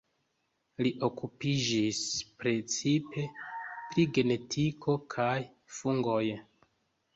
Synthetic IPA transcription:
liʔo̞kupid͡ʒispɾe̞t͡sipe̞pɾiɡe̞ne̞tʰikʰo̞kʰaj | fuŋɡo̞j

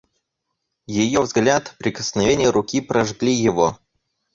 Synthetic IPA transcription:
jɪjovzɡlʲat̪pɾʲɪkəsnɐvʲenʲɪjəɾʊkʲipɾɐʐɡlʲijɪvo

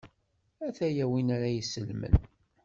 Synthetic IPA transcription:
æθæjæwinaɾæjisəlmə̰n

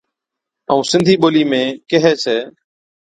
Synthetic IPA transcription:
əũːsɪ̃nd̪ʱiːɓoːliːmẽːkeɦeːseː

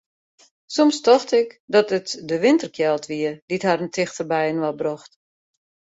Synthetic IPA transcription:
sɔmstɔxtɪkdɔtətdəʋɪntərkʰjɛlˠtʋiəd̥ithaɾəntʰɪxtərbɛjənʋɔlˠbrɔxt

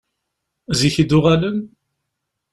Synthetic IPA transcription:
ziçid̪ʊʁaləm

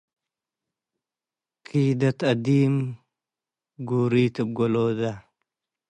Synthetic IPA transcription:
kʰiːd̪ɐt̪ɐd̪iːm | ɡuɾit̪ɨb̚ɡoloːd̪a

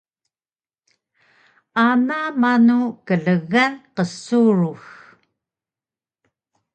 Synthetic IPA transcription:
anaːmanukəɮəɣanqəsuɻux

